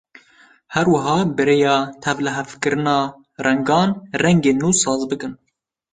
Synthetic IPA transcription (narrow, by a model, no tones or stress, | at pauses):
hɛɾwɐɦɑːbɨɾeːjɑːt̪ʰɛvlɨɦɛfkɨɾɨnɑː | rɛŋɡɑːnrɛŋɡeːnːuːsɑːzbɨkɨn